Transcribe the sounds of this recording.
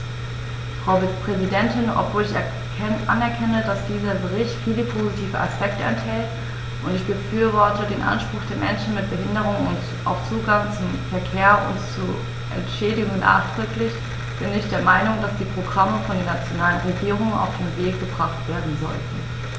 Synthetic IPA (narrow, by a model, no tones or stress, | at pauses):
fʁ̥aʊvit͡spʁ̥ɛzidɛntɪnɔ̰pv̥oːlɪç | ʔa̰nɛɐkʰɛnədasd̥iːzɐbəʁ̞ɪçtfiːləpʰozitʰiːvəa̰spɛk̚təɛ̰nthɛlt | ʔʊntɪçb̥əfyːɐvɔɐtədeːnʔa̰nʃpʁ̥ʊxd̥eːɐmɛnʃn̩mɪt̚b̥əɦɪndəʁ̞ʊŋʊnt | ʔa̰ʊft͡suːɡaŋt͡sʊmfɛɐkʰeːɐʊ̰ntt͡su | ʔɛ̰ntʃeːdɪɡʊŋənʔa̰ːχtʁ̥ʏklɪç | b̥ɪnɪçd̥eːɐmaɪnʊŋd̥asd̥iːpʁ̥oɡʁaməfɔndeːɐnat͡sjonaːlənʁeɡiːʁʊŋəna̰ʊfd̥eːnveːk̚ɡ̥əbʁaχtv̥eːɐdn̩zɔ̰ltn̩